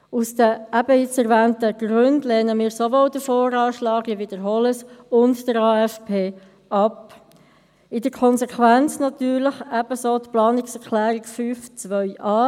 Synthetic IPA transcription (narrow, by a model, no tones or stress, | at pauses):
usd̥̪əæb̥əɪt͡sɛɾʋæːntəɡ̥ɾʏndlɛːnəmiːɾsovɔld̥əfoːɾɑːʃlɑːɡəʋid̥əɾɦɔləsʊntd̥əɾɑːɛfpʰeː | ʔɑp | ɪdəkʰɔnsɛkʰʋænt͡snɑt̪yːɾləχæb̥əsoːtplɑːnɪksɛɾklæːɾɪkfyːft͡sʋœʏʔɑː